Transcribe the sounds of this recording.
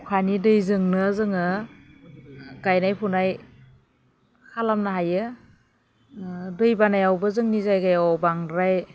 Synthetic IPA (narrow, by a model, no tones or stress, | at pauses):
kʰanidɯjzɯŋnɯzɯŋɯ | ɡajnajpʰunaj | kʰalamnaɦajɯ | dɯjbanajawbɯzɯŋnizajɡajɔbaŋɾaj